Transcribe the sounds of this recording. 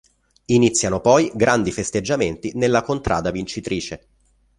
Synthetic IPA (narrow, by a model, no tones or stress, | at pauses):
init̪sːjanopɔjɡɾand̪ifest̪ed͡ʒːament̪inelːakont̪ɾʔa̰ːd̪avint͡ʃit̪ɾʔiːt͡ʃe